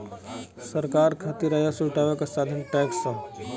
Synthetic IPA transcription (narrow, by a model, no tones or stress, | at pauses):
sɐɾkaːɾkʰaːt̪iɾajasuʈaːʋekasaːd̪ʱənʈɛːksːɐ